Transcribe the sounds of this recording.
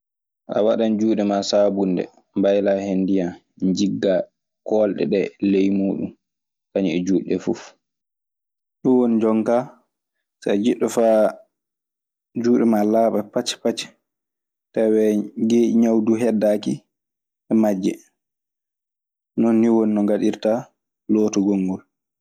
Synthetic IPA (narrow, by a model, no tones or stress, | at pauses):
ʔa̰waɗand͡ʒuːɗɛmasaːbundɛ̰ | mbajlahendija | ɲd͡ʒiɡːa | kɔlɗɛ̰ɗɛlejmuːɗum | kaɲiɛd͡ʒuːɗɛfuf | ɗuwond͡ʒɔŋka | sad͡ʒiɗːɔfaː | d͡ʒuːɗɛmalaːɓapat͡ʃpat͡ʃ | tawɛɡeːʔiɲawduɦɛdaki | ɛmad͡ʒːɛ | nɔnːiwonːɔɡaɗiɾta | loːtɔɡoŋɡɔl